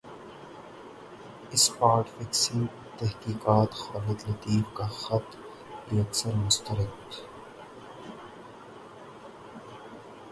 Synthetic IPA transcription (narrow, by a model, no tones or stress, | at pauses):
ɪspaːɾʈfɪksɪ̃ŋ | t̪ɛɦkiːqaːt̪xaːlɪd̪lɐt̪iːfkaxɐt̪ | ijɐksɐɾmʊst̪ɐɾɪk̚t̪